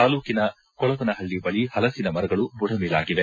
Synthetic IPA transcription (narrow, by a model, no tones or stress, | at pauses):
aːluːkinɐ | kɔɭɐʋɐnɐɦɐɭːibɐɭihɐlɐsinɐmɐɾɐɡɐɭubuɽɐmɛːlaːɡid̪e